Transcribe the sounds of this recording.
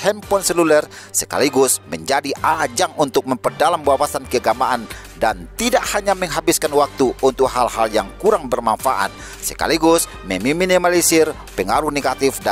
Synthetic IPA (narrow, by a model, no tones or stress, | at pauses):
hɛmpɔnsɛlulərsəka̰liɡʊsməɲd͡ʒadiʔad͡ʒaŋunt̪ʊk̚məmpərdalambawasankəɡamaʔan | dant̪idaʔhaɲaməŋɦabiskanwak̚t̪uunt̪ʊk̚halhaljaŋkuɾaŋbərmanfa̰ʔa̰t̪̚ | səka̰liɡʊs | mɛmiminimalisɪr | pəŋaɾuhneɡat̪ifda